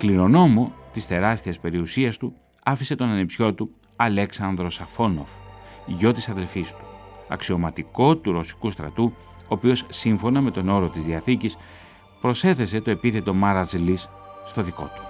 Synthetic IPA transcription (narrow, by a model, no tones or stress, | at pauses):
kliɾo̞no̞mo̞t̪ist̪e̞ɾɐst̪iɐspe̞ɾiusiɐst̪u | ɐfise̞t̪o̞nɐnipsço̞t̪u | ɐleksɐnðɾo̞sɐfo̞no̞̰fʝo̞t̪isɐðelfist̪u̥ɐ̰ksio̞mɐt̪iko̞t̪uɾo̞si̥kust̪ɾɐ̰t̪u | oːpio̞sːiɱfo̞nɐme̞t̪o̞no̞ɾo̞t̪izðiɐθicis | pɾo̞se̞θe̞se̞t̪oe̞piθe̞t̪o̞mɐɾɐzlisːt̪o̞ðiko̞̰t̪u̥